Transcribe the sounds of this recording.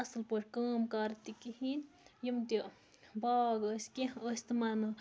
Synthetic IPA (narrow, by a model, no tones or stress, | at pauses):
ɐslpəʈʰʲkaːmkɐɾt̪ikiɦin | jimt̪i | baːɡəsʲkiəsʲt̪imanɐ